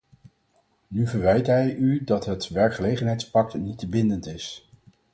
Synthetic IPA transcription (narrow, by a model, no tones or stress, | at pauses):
nyvəɹʋɛjtɦɛjydɑtɦətʋɛɹkχəlejχənɦɛjtspɑk̚tnitbɪndəntɪs